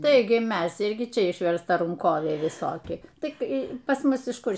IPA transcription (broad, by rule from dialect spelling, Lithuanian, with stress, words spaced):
ˈtɐɪɡʲɪ ˈmʲɛs ˈɪrʲɡʲɪ ˈt͡ʃʲɛ ɪʃʲʋʲɛrstɐˈrɐŋkoːʋʲɛɪ ʋʲɪˈsoːkʲɪ ˈtʲɪk pɐs ˈmʊs ɪʃ ˈkʊr